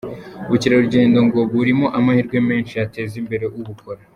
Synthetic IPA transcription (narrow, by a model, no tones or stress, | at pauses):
uciɾaɾuɾɟe̞ːndo̞ŋɡo̞βuɾimo̞ʔamahiɾɡwe̞me̞ːnʃiate̞ːzimbe̞ɾe̞ʔuβuko̞ɾa